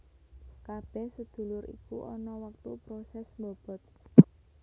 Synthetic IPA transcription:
kab̥ɛhsəd̪̥ṳlʊɾḭkuʔɔnɔwək̚t̪upɾosɛsmbɔb̥ɔ̤t̪̚

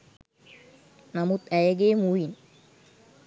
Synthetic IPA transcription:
namut̪ɛjəɡeːmujin

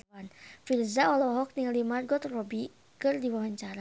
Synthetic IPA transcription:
anfilzaɔlɔɦɔk̚niŋlimarɡɔt̪rɔbi | kɨrdiwawaɲt͡ʃaɾa

